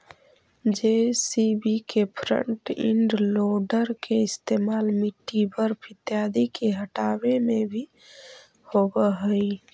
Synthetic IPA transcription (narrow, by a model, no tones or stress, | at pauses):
d͡ʒesibikepʰɾə̰ɳʈḭɳɖloɖəɾkeɪst̪emaːlmiʈːipəɾpʰɪt̪jad̪ikeɦəʈabemebʱi | hobəɦəj